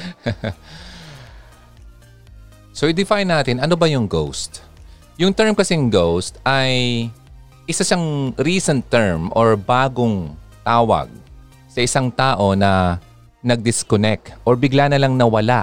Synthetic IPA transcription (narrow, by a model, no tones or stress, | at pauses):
soʔɪd̪ɪfajnːaːt̪ɪnʔɐno̞bɐjʊŋɡowst̪ | jʊŋt̪ɛɹmkɐsɛŋɡowst̪ʔɐj | ʔɪsaʃɐŋɾiːsɛnt̪ːɛɹmʔoɹbaːɡoŋt̪aːwɐ̰ɡ̚ | sɐʔɪsaŋt̪aːʔo̞nɐ | nɐɡ̚d̪ɪskonɛk̚t̪ʔoɹbɪɡlanɐlɐŋnɐwɐlaʔ